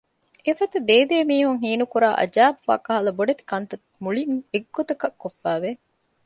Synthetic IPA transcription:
efɐt̪ɐd̪eːd̪eːmiːɦuŋɦiːnukuɾaːʔɐ̰d͡ʒaːbufa̰kɐɦɐlɐboɖet̪i̥kɐnt̪ɐt̪muɭiŋeɡːot̪ɐkɐkːofːæːʋe

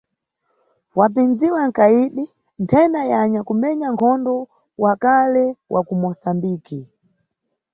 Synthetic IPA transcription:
wap̬ind͡ziwaŋ̩kaiɗi | ntʰɛndajaɲakumɛɲaŋkʰɔndɔ | wakalɛwʔa̰kumɔsambiːki

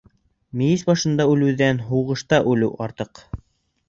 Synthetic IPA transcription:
mĭjisbɑʃɤ̆nd̪ɑʉlɘ̆wðænɦuʁɤ̆ʃt̪ɑʔʉlɘwʔɑɾt̪ɤq

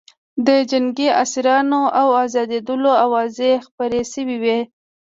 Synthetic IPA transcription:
d̪əd͡ʒaŋɡiasiɾɑnoʔawɑzɑd̪ed̪əloawɑzexpaɾeʃəwiwi

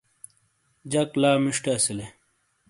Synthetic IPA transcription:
d͡ʑɐklaːmiʂʈasile

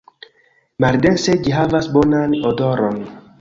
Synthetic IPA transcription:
maɾd̪enseɟiɦavasbɔnanɔd̪ɔɾɔn

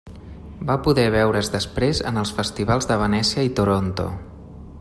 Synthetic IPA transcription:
bapuðɛβɛwɾəzðəspɾezə̰nəlˠsfəst̪iβ̞alˠzðəβ̞ənɛsiəit̪uɾont̪o̰

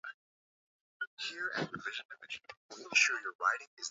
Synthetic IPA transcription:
hiɹɨ̰̃təvɪʒɨ̃nɪ̃mɨd͡ʒ̃nmekʃʊɹjə˞ɹaɪɾɪ̃ŋɪz

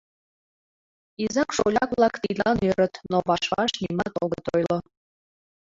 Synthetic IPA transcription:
izɑkʃolʲɑkβlɑkt̪ilʲɑnøɾət̪noβɑʃβɑ̰ʃnʲimɑt̪oɣət̪ojlo

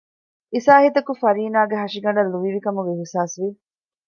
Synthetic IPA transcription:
isaːhit̪ɐkufɐɾiːnaːɡeɦɐʂiɡɐɳɖɐlːuʋiʋikɐmuʋiɦusaːsʋi

